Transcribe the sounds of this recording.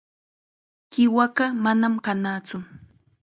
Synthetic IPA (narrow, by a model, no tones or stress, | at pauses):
kɪwaɢamanamkanaːt͡sʊ